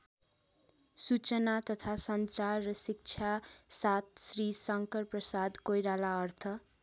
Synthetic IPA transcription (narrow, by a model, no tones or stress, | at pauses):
sut͡sʌnat̪ʌt̪ʰasʌnt͡sarːʌsik̚t͡sʰasat̪̚srisʌŋkʌrprʌsad̪kojɾalaʌrt̪ʰʌ